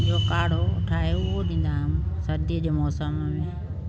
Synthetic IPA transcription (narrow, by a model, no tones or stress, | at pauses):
d͡ʒoːkaːɽ̤oʈʰaːeʊoɗ̪ĩnd̪aːɦəmsəɾd̪iəd͡ʒemɔːsəmmẽ